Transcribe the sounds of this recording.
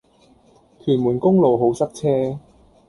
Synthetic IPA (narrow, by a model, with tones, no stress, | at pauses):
k̪ʰyː˨˩nmuː˨˩nkʊ˥ŋlo˨wɦo˨˥wsɐ˥k̚t͡sʰɛː˥